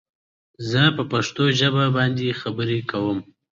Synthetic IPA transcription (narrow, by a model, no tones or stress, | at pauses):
zəpəpaʂt̪oʒəbabɑnd̪exabəɾekʰawəm